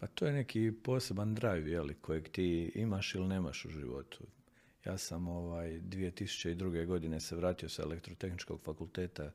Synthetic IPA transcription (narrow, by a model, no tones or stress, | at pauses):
pat̪oːjene̞kʰiːpo̞ːse̞band̪ɾaːjujelikʰo̞jeɡt̪iːimaʃilineːma̰ʃṵʒḭʋo̞̰t̪ʰu̥ | jaːsamo̞ʋaːjd̪ʋije̞t̪isu̥t͡ɕe̞id̪ɾuɡe̞ɡo̞d̪ine̞seʋɾaːt̪io̞saelekt̪ɾot̪e̞xnit͡ʃko̞ɡ̥fakulˠt̪eːt̪a